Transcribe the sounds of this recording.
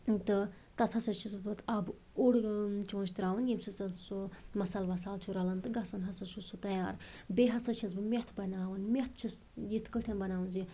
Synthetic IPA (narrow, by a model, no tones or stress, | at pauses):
t̪ɨ | t̪ɐt̪ʰɐsɐt͡ʃʰisbɨt̪ʰɐb | oɽt͡ʃõːnt͡ʃʰt̪ɾaːʋɨnjimsut͡sɐt̪sumɐsaːlʋɐsaːlt͡ʃʰuɾɐlɐnt̪ɨɡɐsɐnɦɐsɐsusut̪ɐjaːɾ | beɦɐsɐt͡ʃʰɐsbɨmʲet̪ʰbɐnaːʋɨnmʲet̪̚ʰt͡ʃʰis | jit̪ʰkəʈʰɐnbɐnaːʋɨnzi